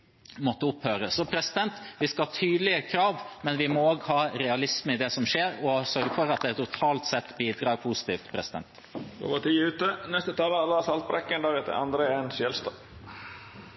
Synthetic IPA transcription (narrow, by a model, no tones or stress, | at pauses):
mɔt̪ːəʊphøːɾəsɔpʰɾɛsɪd̪ɛnt̪ʋɪskɑhɑt̪ʰyːd̪lɪəkʰɾɑːʋmɛnʋɪmɔoːɡhɑːɾɛɑlɪsməɪd̪ɛsɔmʂeːɾɔsœɾɡəfɔɾɑt̪̚d̪ɛːt̪ʊt̪ʰɑːlt̪sɛt̪ːbiːd̪ɾɑːɾpʰusɪ̥t̪ḭːft̪pʰɾɛsɪd̪ɛ̰nt̪ | o̰ːʋəʈ̪ʰiːʉːt̪ənɛst̪ət̪ʰɑːləlɑsɑlt̪̚bɾɛkːənd̪ɑːɡət̪ə̰ɑ̰nd̪ɾeeːnsjɛlst̪ɑ